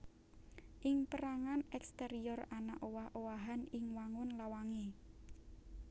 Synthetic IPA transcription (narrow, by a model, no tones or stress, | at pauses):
ʔɪŋpəɾaŋanɛkst̪eɾiɔrana̰ʔowahʔowaɦanɪŋwaŋʊnlawaŋe